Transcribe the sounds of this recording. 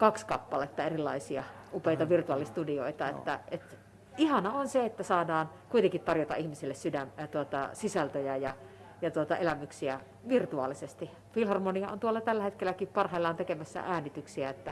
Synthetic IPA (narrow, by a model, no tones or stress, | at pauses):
kɑkskɑpːɑlet̪ːɑerilːˑɑ̰isiɑ̰upeit̪ɑʋirt̪uɑlːˑist̪udio̰it̪ɑḛt̪ːæet̪ | ihɑnɑonseet̪ːæsɑːdɑːn | kuit̪eŋkit̪ɑrjot̪ɑ̰ʔʔihmisilːessydæmt̪uot̪ɑsisælt̪øjæjɑ | jɑt̪uot̪ɑelæmyksiæ | ʋirt̪uɑ̰lisest̪i | filhɑrmoniɑo̰nt̪uolːɑt̪ælːæhet̪kelːækippɑrhɑilːɑːnt̪ekemæsːæ̰ʔæːnit̪yksiæet̪ːæ